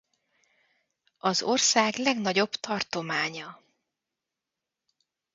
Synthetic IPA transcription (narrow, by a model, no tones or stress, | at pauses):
ɒzo̞rsaːɡlɛɡnɒɟo̞bt̪ʰɒrt̪o̞maːɲɒ